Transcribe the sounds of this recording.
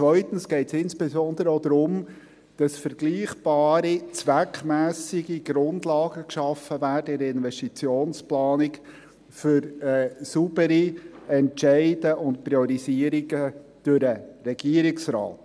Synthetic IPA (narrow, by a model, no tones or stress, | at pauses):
t͡sʋœʏtən̩sɡ̥ɛɪtsɪnsb̥ɛzɔnd̪əɾəod̥̪ɾʊm | d̥ɑsfəɾɡ̥liːχb̥ɑːɾit͡sʋækʰmæːsɪɡiɡ̥ɾʊndlɑːɡ̥əkʃɑfəvæːrdəɪɾɪnvɛstit͡sjoːnsplɑːnɪk | fʏɾɛːsub̥əɾiɛntʃɛɪd̥əʔʊntpɾiɔɾiziəɾiɡəd̥ʉɾəɾɛɡiəɾɪksɾɑ̰ːt